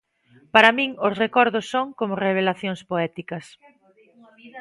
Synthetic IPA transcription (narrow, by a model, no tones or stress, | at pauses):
paɾamĩŋosrekɔɾðosːoŋkomoreβ̞elaθjoŋspoɛt̪ikɐs